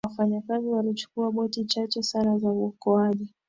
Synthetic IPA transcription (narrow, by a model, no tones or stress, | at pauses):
wafaɲakaziwalit͡ʃu̥kuaɓɔtit͡ʃat͡ʃɛsanazauɔkɔaʄi